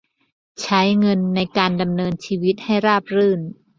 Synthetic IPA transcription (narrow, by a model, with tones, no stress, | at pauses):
t͡ɕʰa˦˥jŋɤ˧nːa˧jkaː˧nda˧mnɤː˧nt͡ɕʰiː˧wi˦˥t̪̚ha˥˩jɾaː˥˩p̚ɾɯː˥˩n